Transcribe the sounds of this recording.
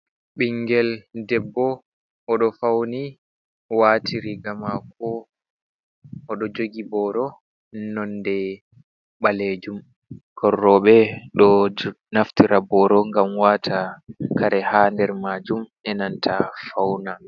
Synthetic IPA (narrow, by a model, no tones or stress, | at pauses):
ɓiŋɡɛldɛbːɔ | ʔːɗɔfawni | watʰiɾiɡamakɔ | ʔɔɗɔd͡ʒoɡibɔɾɔ | nɔndɛ | ɓaled͡ʒum | kʰɔrːɔɓɛɗɔ | naftiɾabɔɾɔŋɡamwatʰakaɾɛhandɛɾmaːd͡ʒumɛnantʰafawna